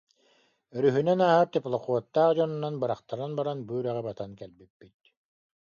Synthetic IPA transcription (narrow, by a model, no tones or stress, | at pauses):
œɾyɦynɛnaɦat̪iplˠɔχuɔt̪ːaːʁd͡ʑɔnunanbɯɾaχt̪aɾɯnbaɾanbyːɾɛʁɛbat̪ankɛlbipːit̪̚